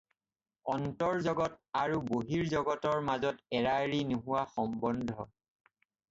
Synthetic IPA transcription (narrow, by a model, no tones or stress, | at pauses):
ɔntɔɹzɔɡɔtaɹuboɦiɹzɔɡɔtɔɹmazɔtɛɹaɹinuɦuwaxɔmbɔndʱɔ